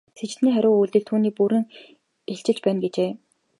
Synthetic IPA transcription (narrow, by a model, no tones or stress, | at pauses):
set͡ɕ̆t̪niːχæɾʲʊːujɮt̪ɘ̆ɮt̪ʰːuːniːpuɾɘ̆ŋ | eɬt͡ɕɪ̆t͡ɕpæːnɡet͡ɕeː